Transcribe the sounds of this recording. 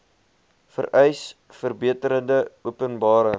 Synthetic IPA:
fə̰rɛjs | fərbiətəɾəndəuəpənbɑːɾə

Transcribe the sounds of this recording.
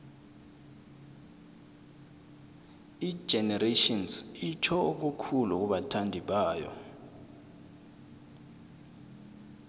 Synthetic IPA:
i̥ʒ̥ʱɛnɛretɔnsit͡ʃʰɔuk̬ukʰuluk̬ʼuɓatʰandʱiɓaːjɔ̰

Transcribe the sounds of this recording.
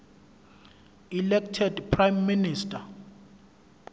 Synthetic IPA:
ilɛktʰɛdpʰrajmːinistʰʼa

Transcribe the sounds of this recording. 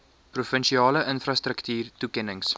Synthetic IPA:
prufənʃiɑːləʔənfrɑstɾəktyːrtukɛnəŋs

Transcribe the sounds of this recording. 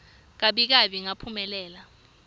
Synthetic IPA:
k̬aɓik̬aɓiŋapʰumɛlɛːla

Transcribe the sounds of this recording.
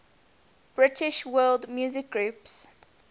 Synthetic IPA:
b̥ɹɪtʰɪʃwɜːldmjuːzɪk̚ɡɹuːps

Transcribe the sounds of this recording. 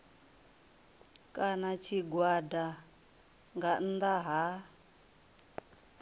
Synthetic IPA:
kʼanat͡ʃʰiɡwada | ŋɡan̩d̪aɦa

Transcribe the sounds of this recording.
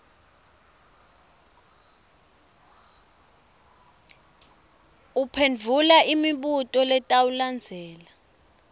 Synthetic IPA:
upʰend͡vʱulaʔimiɓutʼɔlɛtʼawuland͡zʱɛːla

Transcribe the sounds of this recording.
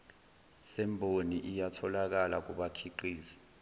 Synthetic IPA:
sɛmbʱoniʔijatʰɔlak̬alak̬uɓakʰiǃiːsi̥

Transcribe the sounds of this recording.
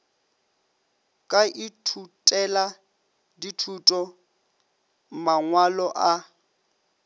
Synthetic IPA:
kʼaʔɪtʰutʼɛla | ditʰutʼɔ | maŋwalɔʔa

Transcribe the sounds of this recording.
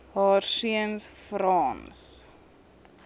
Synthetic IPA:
ɦɑːrsiənsfrɑːns

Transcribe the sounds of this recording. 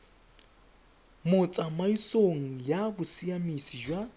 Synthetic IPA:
mʊt͡sʼamaisoŋ̩jabʊsiamisid͡ʒwa

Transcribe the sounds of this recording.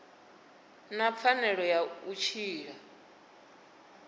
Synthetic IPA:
nap̪fʰanɛɺɔjaut͡ʃʰiːɺa

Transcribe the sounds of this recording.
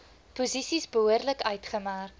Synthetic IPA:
puzisisbəɦuərdləkœɥtχəmærk

